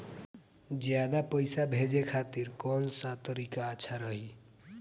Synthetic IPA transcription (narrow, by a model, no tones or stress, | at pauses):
d͡ʒjad̪apəjsabʱed͡ʒekʰat̪iɾkɔnsat̪əɾikaətːʃʰaɾəɦi